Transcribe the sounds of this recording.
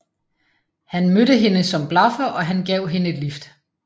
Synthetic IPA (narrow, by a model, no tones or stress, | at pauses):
hænmøɾəɦe̝nəsɒ̽mb̥lɑ̈fɐʔɒ̽ɦænɡ̥ɛʊ̰ɦe̝nəe̝d̥lifd̥